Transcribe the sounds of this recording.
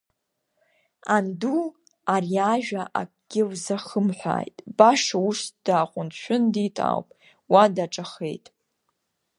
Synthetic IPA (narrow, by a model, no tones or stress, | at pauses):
andu | ariaʒᶣaʔa̰kʼɡ̥ʲɪwzaχəmħʷa̰ːjtʼbaʂauʂd̥aːqʷʼʊnʃʷᶣʊnditʼa̰wpʼ | wadaʈ͡ʂʼaχḛjtʼ